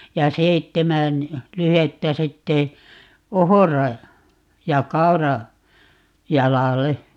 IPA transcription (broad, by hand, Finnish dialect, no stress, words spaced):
jɑ seitːemæn lyhetːæ sitːe ohorɑ jɑ kɑu̞rɑ jɑlɑle